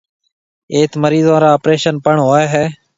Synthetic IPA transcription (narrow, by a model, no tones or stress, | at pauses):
eːt̪məɾiːzãːɾaːpɾeːʃənpəɳɦoːeːɦɛː